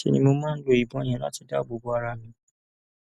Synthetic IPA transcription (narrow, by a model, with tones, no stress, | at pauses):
ti˧nĩ˧mo˧mãː˦n̩˦lo˧˨i˨bɔ̃˨˦e˦˨j̃ɛ̃˨˦la̰˦ti˧da˦˨bo˨˦bo˨˦a˧ɾa˧˨mĩ˧˦